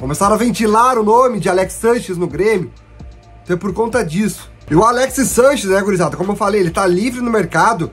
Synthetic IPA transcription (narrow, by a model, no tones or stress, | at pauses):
kõmesaɾ̃ɐvẽnt͡ʃilaɾʊnõmɪd͡ʒɪalɛksːɐ̃ʃɪznʊɡɾẽmjʊ | t̪ẽpoɾkõnt̪ɐd͡ʒisʊ̥ | ɪʊalɛksɪsɐ̃ʃɪzɛeɡoɾizad̪ʊkõmʊewfalejelɪt̪alivɾɪnʊmeɾkad̪ʊ